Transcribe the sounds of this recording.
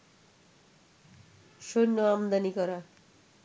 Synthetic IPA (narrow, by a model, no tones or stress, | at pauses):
sonːʌamd̪anikʌɾa